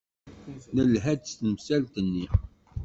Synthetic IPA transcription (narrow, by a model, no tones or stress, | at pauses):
nəlɦæd̪st̪əmsælt̪ənːi